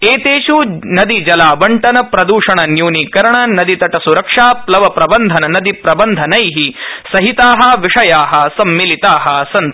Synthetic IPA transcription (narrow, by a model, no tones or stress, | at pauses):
eːt̪eːʃunɐd̪id͡ʒɐlaːʋɐɳʈɐnɐpɾɐd̪uːʂɐɳɐnjuːnikɐɾɐɳɐnɐd̪it̪ɐʈɐsuɾɐkʂaːplɐʋɐpɾɐbɐnd̪ʱɐnɐnɐd̪ipɾɐbɐnd̪ʱɐnɐjɦisɐɦit̪aːɦɐ̆ʋiʂɐjaːɦɐsɐmːilit̪aːɦɐsɐn